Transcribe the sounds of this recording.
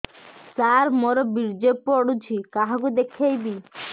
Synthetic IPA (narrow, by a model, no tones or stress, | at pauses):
saɾmɔɾɔbiɾd͡ʒepːɔɽut͡ʃʰikaɦakud̪ekʰejbi